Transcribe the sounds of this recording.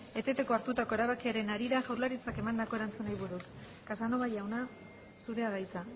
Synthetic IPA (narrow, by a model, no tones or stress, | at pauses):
e̞t̪e̞t̪e̞ko̞aɾt̪ut̪ako̞e̞ɾaβakiaɾe̞naɾiɾaʝawɾlaɾit͡sake̞mand̪ako̞e̞ɾant͡sunajβuɾus | kasano̞βajawna | suɾe̞aðajt̪a